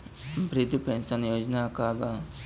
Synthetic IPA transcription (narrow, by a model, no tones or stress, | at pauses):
bɾɪt̪pẽnsənjoːd͡ʒnakaba